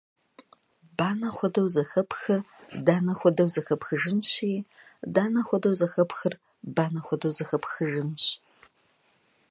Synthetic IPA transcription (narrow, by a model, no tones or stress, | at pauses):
baːnɐχʷɔdɐwzɐxɐpxɨrdaːnɐxʷɔdɐwzɐxɐpxɨʒɪnɕiː | daːnɐxʷɔdɐwzɐxɐpxɨr | baːnɐχʷɔdɐwzɐxɐpxɨʒɨnɕ